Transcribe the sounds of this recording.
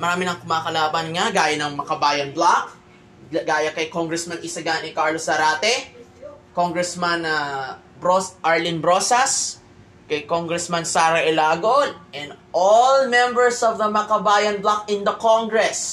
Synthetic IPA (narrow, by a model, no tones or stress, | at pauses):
mɐɾaːmɪnɐŋkʊmaːkɐlaːbɐnŋaɡaːjɐnɐŋmɐkɐbaːjɐnblak | ɡaːjɐkɐjkoŋɡɾɛsmɐnɪsɐɡanɪkaɹlosɐɾaːt̪ɛ | koŋɡɹɛsmanɐ | bɾosʔaɹlɪnbɾosɐs | kɐjkoŋɡɹɛsmɐnsaːɾɐʔɛlaːɡonʔɛ̃nd̪ʔolmɛmbɛɹsovd̪ɐmɐkɐbaːjɐnblakɪ̃nd̪ɐkoŋɡɹɛs